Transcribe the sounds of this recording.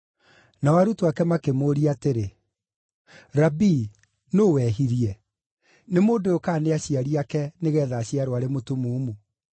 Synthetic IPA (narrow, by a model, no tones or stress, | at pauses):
nawaɾutoakɛmakemoːɾiateɾe | ɾabi | nowɛɦiɾiɛ | nemoːndookaːneaɕiaɾiakɛneɣɛðaːɕiaɾoaɾemotumuːmu